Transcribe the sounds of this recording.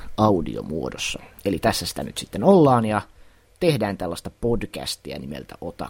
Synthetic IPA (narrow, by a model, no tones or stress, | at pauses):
ɑudḭo̰muodosːɑelit̪æsːæsi̥t̪æny̰t̪sit̪ːenolːɑːnjɑ | t̪ehdæːnt̪ælːɑst̪ɑpodkæ̰st̪iæ̰nimḛlt̪æ̰ʔot̪ɑ̰